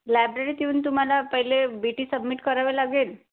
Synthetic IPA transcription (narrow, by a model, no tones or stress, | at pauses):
lajbɾeɾiːt̪iuːnt̪um̤alapəɦilebiʈiːsəbmiʈkəɾaʋelaɡeːl